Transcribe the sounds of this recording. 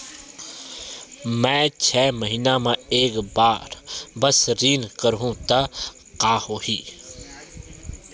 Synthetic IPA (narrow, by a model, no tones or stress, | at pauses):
mɛ̃ːt͡ʃʰɛːməɦiːnamãeːkbaːɾbəsɾiːnkəɾɦũt̪a | qaːhohiː